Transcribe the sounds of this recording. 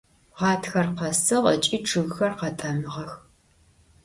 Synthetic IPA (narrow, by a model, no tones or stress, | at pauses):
ʁɑːtʰxɐrqɐsɨʁət͡ʃʼiːʈ͡ʂʰɨɣxɐrqɐtʼɐmɨʁɐx